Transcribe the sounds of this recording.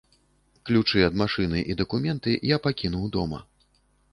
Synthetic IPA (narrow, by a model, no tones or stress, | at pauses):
klʲut͡ʂɨɐd̪maʂɨnɨʔid̪ɐkumʲɛnt̪ɨjapakʲinuwd̪ɔmɐ̰